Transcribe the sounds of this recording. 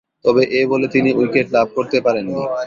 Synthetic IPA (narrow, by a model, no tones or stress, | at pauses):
t̪ɔbeʔebolet̪iniujkeʈ̚labʱkoɾt̪epaɾenːi